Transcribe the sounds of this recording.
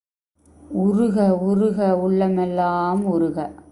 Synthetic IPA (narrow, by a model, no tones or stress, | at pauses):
ʊrɯɣɐʊrɯɣɐʊɭːɐmɛlːaːmʊɾɯɣɐ